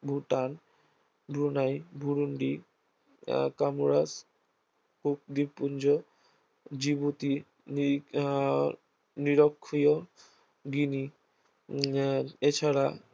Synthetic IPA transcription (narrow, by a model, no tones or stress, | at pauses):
bʱuʈan | bɾunajbʱuɾuɳɖi | kamuɾas | kuk̚d̪ibpund͡ʑo | d͡ʑibot̪i | niɾokʰːijo | ɡini | et͡ɕʰaɾa